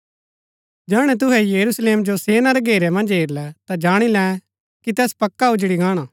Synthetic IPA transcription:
d͡ʒɛːɽ̃ɛt̪̬ʊɦɛjɐɾusleːmd͡ʒoseːnaɾɛɡʱeːɾɛmɐ̃nd͡ʒɦeːɾlɛt̪ad͡ʒaːɽ̃ilɛ̃ | kit̪ɛːspɐkːaʊd͡ʒɽiɡaːɽ̃aː

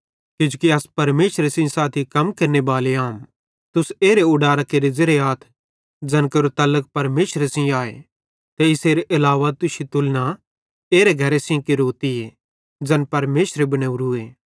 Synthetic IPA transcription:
kɪd͡ʒukiɐspɐɾmeːʃɾesɪ̃saːt̪ʰikɐmkeːɾnebaːleaːm | t̪ʊseːɾeʊɖaːɾakeːɾezeɾeaːt̪ʰ | d͡ʒɐnkəɾot̪ɐlək̚pɐɾmeːʃɾesɪ̃aːḛ | t̪eɪseːɾeʔɐlaːʋat̪ʊsit̪ʊlna | eːɾeɡʱɐɾesĩkɪɾoːt̪ie | d͡ʒɐnpɐɾmeːʃɾebɐñeːuɾʊeː

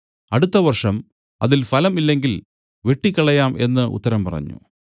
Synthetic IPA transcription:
ɐɽut̪ːɐʋɐrʂɐm | ɐ̰ðilfɐlɐmilːe̞ŋɡil | ʋe̞ʈːikʲːɐɭɐjaːme̞nːɨʔṵt̪ːɐɾɐmpɐ̰rɐ̰ɲːṵ

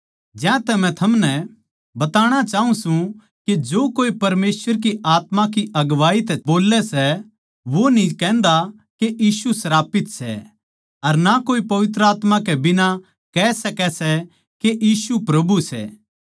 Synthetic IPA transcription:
d͡ʒɛ̃ːt̪ɛmɛ̃t̪ʰɐmnɛ | bɐt̪aːɽ̃at͡ʃaːɦũsũ | ked͡ʒoːkoːipɐɾmeːswəɾk̬iʔaːt̪mãkiʔɐɡʋaːit̪ɛboːlɛsɛ | ʋonĩkɛ̃ːnd̪a | keʔiːsusɐɾaːpɪt̪sɛ̰ | ɐɾnakoːipɐʋɪt̪̬ɾəaːt̪mãkɛbɪna | kɛːsɐkɛsɛ | keʔiːsupɾɐbʱusɛ̰ː

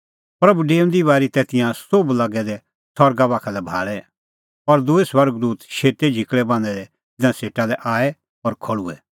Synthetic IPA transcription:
pɾɐbuɖeːʊ̃nd̪iβaːɾit̪ɛt̪ɪ̃jãsoblɐɡɛd̪ɛ | sʰɔɾɡabaːkʰalɛbʱa̰ːɭɛ | ɔɾd̪uesʋɐɾɡd̪uːt̪ʃeːt̪ed͡ʒʱɪkɭɛbãːnd̪ɛd̪ɛ | d͡zɪãseːʈalɛʔaːɛ | ɔːɾkʰɔɭuɛ

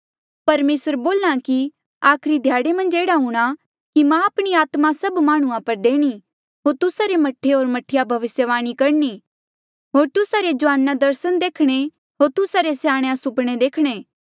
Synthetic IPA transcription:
pɐɾmeːsəɾboːlãki | aːkʰɾid̪ʱjaːɽemɐ̃nd͡ʒeːɽaɦũːɽ̃a | kimãɐpɽ̃iaːt̪masɐbmaːɽ̃ũãpɐɾd̪eːɽ̃i | ɦoːɾt̪ʊsaɾemɐʈʰːeɦoːɾmɐʈʰɪjabʱɐʋɪsjəʋaːɽ̃ikɐɾni | ɦoːɾt̪ʊsaɾed͡ʒʊʋaːnːad̪ɐɾsənd̪eːkʰɽ̃e | ɦoːɾt̪ʊsaɾesjaːɽ̃eãsʊpɽ̃ed̪eːkʰɽ̃eː

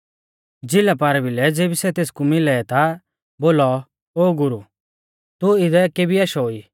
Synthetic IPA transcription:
d͡zɪlapaːɾɛbɪlɛd͡zeːbisɛt̪eːskumɪlɛɛt̪a | boːlɔ | oːɡʊɾu | t̪uɪd̪ɛkeːbiaʃɔoiː

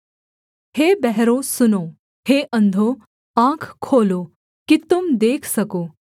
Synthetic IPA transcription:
ɦebɛɦɾosuno | heʔənd̪ʱo | ãkʰkʰːolo | kit̪umd̪ekʰsəkoː

